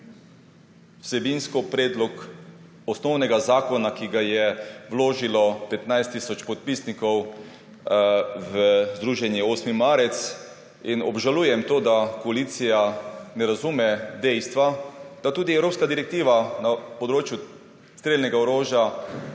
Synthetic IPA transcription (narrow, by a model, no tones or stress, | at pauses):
wsɛbinskɔpɾɛːd̪lɔk | ɔsnɔwnɛɡazaːkɔnakiɡajɛwloːʒilɔpɛt̪najst̪ːiːsɔt͡ʃpɔt̪̚pisnikɔw | ʋəzd̪ɾuːʒɛnjɛoːsmimaːɾɛt̪s | inɔ̰bʒaluːjɛmt̪oːd̪akɔalit̪sijanɛɾazumɛd̪ɛjst̪ʋad̪̥at̪uːd̪iɛwɾoːpskad̪iɾɛk̚t̪iːʋanapɔd̪ɾoːt͡ʃju | st̪ɾeːlnɛɡaɔɾoːʒja